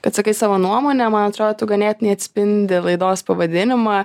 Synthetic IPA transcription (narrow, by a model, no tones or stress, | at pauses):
kɐt̪sɐkɐɪsɑːʋoːnuɔmoːnʲɛmɐnɐt̪ɾoːd̪oːt̪ʊɡɐnʲeːt̪nʲɛɪɐt̪ʲsʲpʲɪnʲd̪ʲɪlˠɐɪd̪oːspɐʋɐd̪ʲɪnʲɪmɐ